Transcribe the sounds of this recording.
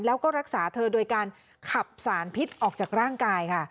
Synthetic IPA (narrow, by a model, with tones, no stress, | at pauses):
nlɛː˦˥wkɔː˥˩ɾa˦˥k̚saː˩˦t̪ʰɤː˧doː˧jkaː˧n | kʰa˨˩p̚saː˩˦npʰi˦˥t̪̚ʔɔː˨˩k̚t͡ɕaː˨˩k̚ɾaː˥˩ŋkaː˧jkʰa˥˩